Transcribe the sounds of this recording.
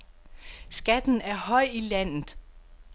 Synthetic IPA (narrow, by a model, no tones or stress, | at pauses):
sɡ̥æd̥n̩æɐhɒ̽ɪ̰ilæn̰ð̩ˠ